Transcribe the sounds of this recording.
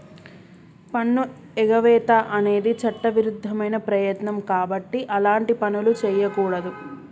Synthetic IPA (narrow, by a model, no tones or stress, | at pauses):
pɐɳːu | ɛɡɐʋɛːt̪aːʔɐne̞ːd̪it͡ʃɐʈːɐʋiɾud̪ʱːɐmɐjnɐpɾɐjɐt̪nɐmkaːbɐʈːiʔɐlaːɳʈipɐnulut͡ʃɛːjɐkuːɽɐd̪u